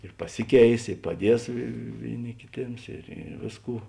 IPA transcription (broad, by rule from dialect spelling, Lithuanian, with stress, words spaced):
ɪr pɐˈsʲɪˌkʲɛɪs ɪr pɐˈdʲiɛs ˈʋʲeːɪˌnʲɪ kʲɪˈtʲeːms ɪr ɪ ˈʋʲeːsˌkuː